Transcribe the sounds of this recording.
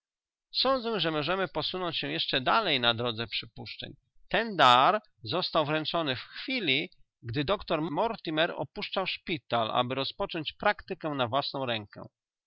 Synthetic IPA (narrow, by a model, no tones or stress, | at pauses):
sɔnd̪zɛʐɛmɔʐɛmɘpɔsunɔɲt͡ɕɕɛwjɛʂt͡ʂɛd̪alɛjnad̪ɾɔd̪zɛpʂɘpuʂt͡ʂɛ̰ɲ | t̪ɛnd̪aɾ | zɔst̪awvɾɛnt͡ʂɔnɘfxfʲilʲi | ɡd̪ɘd̪ɔkt̪ɔɾmɔɾt̪ʲimɛɾɔ̰puʂt͡ʂawʂpʲit̪alʔa̰bɘɾɔspɔt͡ʂɔɲt͡ɕpɾakt̪ɘkɛnavwasnɔ̃w̃ɾɛŋkɛ̰